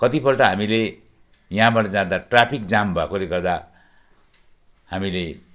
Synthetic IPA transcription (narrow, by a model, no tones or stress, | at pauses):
kʌt̪ipʌrʈʌɦamile | jɦãbaʈʌd͡zãd̪aʈrapʰikd͡zambʱakoɾeɡʌrd̪a | hamile